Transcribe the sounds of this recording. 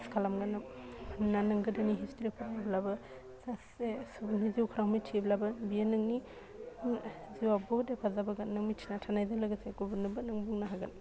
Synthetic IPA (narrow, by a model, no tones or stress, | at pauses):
skʰalamɡanɯnanɐŋɡɯdaniɦistɾipʰazablabɐ | zasesubuniziwkʰɾawmijt͡ʃʰiblabɐbijenɐŋni | ziwabodepʰazabaɡanɐŋmit͡ʃʰinatʰanajzanlaɡɐseɡubɯnɯbɯnɐŋbuŋnaɦaɡan